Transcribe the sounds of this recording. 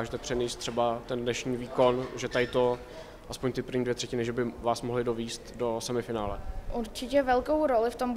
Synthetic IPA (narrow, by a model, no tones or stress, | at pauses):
aʒɛt̪ɛpr̝̥ɛnist̪ːr̥ɛbat̪ɛndnɛʃɲiːviːko̞nʒɛt̪ajɪt̪o | ʔaspoɲt̪ɪpr̩ɾvɲiːdvjɛt̪r̥ɛcɪnɪʒɛbɪvaːsmoɦlɪdo̞viːst̪do̞sɛmɪfɪnaːlɛʔuɾt͡ʃɪcɛvɛlko̞wɾo̞lɪft̪om